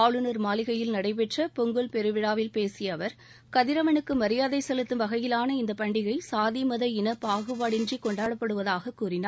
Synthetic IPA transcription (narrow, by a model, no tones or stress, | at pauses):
aːɭɯnɐɾmaːlɪɣɐjɪlnɐɽɐɪp̬ɛʈrɐpɔŋɡɯɭpɛɾɯʋɪɽaːʋɪlpeːsɪjɐʋɐɾ | kɐðɪɾɐʋɐnɯkːɯmɐɾɪjaːðɐɪsɛlɯt̪ːɯmʋɐɣɐjɪlaːnɐɪnd̪ɐpɐɳɖɪɣɐɪsaːðimɐðɐɪnɐpaːɣɯʋaːɽɪnd͡ʒikɔɳɖaːɽɐpːɐɽɯʋɐðaːɣɐkːuːɾɪnaː